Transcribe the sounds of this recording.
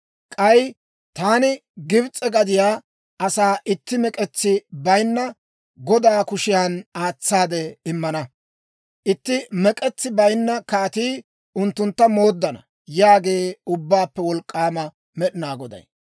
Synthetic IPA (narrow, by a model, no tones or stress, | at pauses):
kʼɐj | t̪aːnɪɡɪbt͡sʼːɛɡɐd̪ɪjaː | ʔɐsaːʔɪt̪ːɪmɛkʼɛt͡sːɪbɐjnːɐ | ɡɔd̪aːkʊʃɪjaːnaːt͡sːaːd̪ɛɪmːɐnɐ | ʔɪt̪ːɪmɛkʼɛt͡sːɪbɐjnːɐkaːt̪iː | ʊnt̪ːʊnt̪ːɐmoːd̪ːɐnɐ̰ | jaːɡe̞ːʊbːaːpːɛwɔlkʼːaːmɐ | mɛɗɪnaːɡɔd̪ɐ̰j